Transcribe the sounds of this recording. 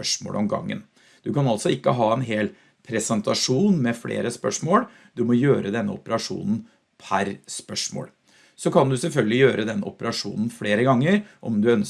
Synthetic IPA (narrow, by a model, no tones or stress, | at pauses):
œʂmo̰ːlʔɔmɡɑ̰ŋːə̰n | d̪̥ʉkɑnɑlt̪sɔɪkːəɦɑːɛnɦeːl | pʰɾɛsɛnt̪ɑʂuːnmɛfɽḛːɾəspœ̰ʂmoːɽ | d̪ʉmɔjøːɾəd̪ɛnːə̰ʊ̰pəɾɑʂṵːnn̩ | pʰæɾspœʂmo̰ːɽ | sɔkʰɑnd̪ʉsɛlfœlɡəlɪjøːɾʔəd̪ɛnːɔ̰pəɾɑʂṵːnn̩fɽeːɾəɡɑŋːəɾʔɔ̰md̪ʉœn